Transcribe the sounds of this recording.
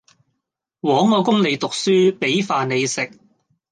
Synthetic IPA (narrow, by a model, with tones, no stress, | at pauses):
wɔː˨˥ŋːɔː˨˧kʊ˥ŋle˨˧jt̪ʊ˨k̚syː˥pe˨˥jfaː˨ne˨˧jsɪ˨k̚